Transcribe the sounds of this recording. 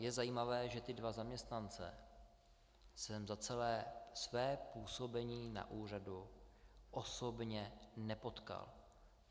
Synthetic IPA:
jɛzajiːmavɛːʒɛt̪ɪdvazamɲɛst̪nant͡sɛ̰ | sɛmzat͡sɛlɛːsvɛːpuːso̞bɛɲiːna̰ʔuːr̝adu | ʔosobɲɛnɛpo̞t̪ka̰l

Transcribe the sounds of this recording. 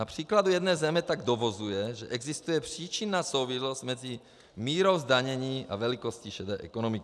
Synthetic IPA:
apr̥iːklad̪ujɛd̪nɛːjzɛmɛt̪aɡd̪ɔʋɔzujɛʒɛʔɛɡzist̪ujɛpr̝̥iːt͡ʃinːaːsuʊʋislɔzɟmɛd͡zi | miːɾɔʊzd̪aɲɛɲiːʔa̰ʋɛlikɔsciʃɛd̪ɛʔɛ̰kɔnɔmik

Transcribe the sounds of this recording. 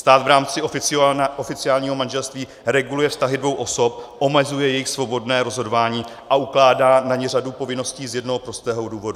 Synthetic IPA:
st̪aːt̪vɾaːmt͡sɪ | ofɪt͡sɪaːlɲiːɦo̞manʒɛlst̪viː | ɾɛɡulujɛfst̪aɦɪdvo̞wʔo̞so̞p̚ʔo̞mɛzujɛjɛjɪxsvo̞bo̞dnɛːɾo̞zɦo̞dovaːɲiː | ʔaʔuklaːdaːnaɲɛradupo̞vɪno̞sciːzjɛdnoɦopɾost̪ɛːɦoduːvo̞du

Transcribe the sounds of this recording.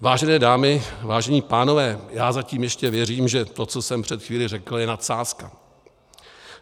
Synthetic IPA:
vaːʒɛnɛːdaːmɪvaːʒɛɲiːpaːno̞vɛːjaːzaciːmjɛʃcɛvjɛriːmʒɛt̪o̞t͡so̞sɛmpr̥ɛt̪xviːlɪrɛkl̩jɛnat̪saːska̰

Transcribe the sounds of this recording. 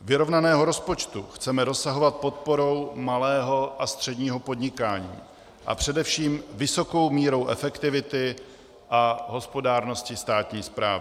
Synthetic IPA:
vɪɾo̞vnanɛːɦo̞ɾo̞spo̞t͡ʃt̪uxt͡sɛmɛɾo̞saɦo̞vat̪̚po̞t̪̚po̞ɾo̞wmalɛːɦo̞ʔast̪r̝̥ɛdɲiːɦo̞po̞dɲɪkaːɲḭː | ʔa̰pr̝̥ɛdɛfʃiːmvɪso̞ko̞wmiːɾo̞wʔɛ̰fɛkt̪ɪvɪt̪ɪ | ʔaɦo̞spo̞daːɾno̞scɪst̪aːt̪ɲiːspɾa̰ːvɪ

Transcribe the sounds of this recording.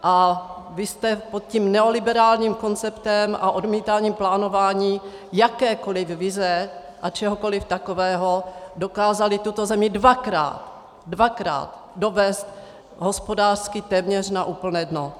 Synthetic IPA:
ʔa | vɪst̪ɛpot̪̚ciːmnɛo̞lɪbɛɾaːlɲiːmko̞nt͡sɛpt̪ɛmʔa̰ʔo̞dmiːt̪aːɲiːmplaːnovaːɲiː | jakɛːkolɪfvɪzɛ | ʔat͡ʃɛɦokolɪft̪akovɛːɦodo̞kaːzalɪt̪ut̪ozɛmɪdvakɾa̰ːt̪ | dvakɾa̰ːt̪ | do̞vɛːst̪ | ɦo̞spo̞daːr̥skɪt̪ɛːmɲɛrnaʔuːpl̩nɛːdno

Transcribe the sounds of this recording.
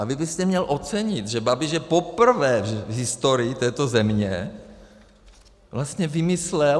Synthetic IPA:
avɪbɪst̪ɛmɲɛlʔo̞t͡sɛɲɪt̪ʒɛbabɪʒɛpopr̩vɛːɛvɦɪst̪o̞ɾɪːt̪ɛːt̪o̞zɛmɲɛ | vlast̪ɲɛvɪmɪslɛ

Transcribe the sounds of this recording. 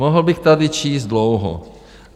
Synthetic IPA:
oɦl̩bɪxt̪adɪt͡ʃiːzd̪lowɦo̰

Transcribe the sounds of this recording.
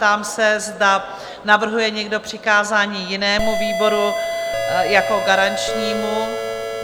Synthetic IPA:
t̪aːmsɛzda | navr̩ɦujɛɲɛɡdo̞pr̝̥ɪkaːzaːɲiːjɪnɛːmuviːbo̞ɾu | jako̞ɡaɾant͡ʃɲiːmu

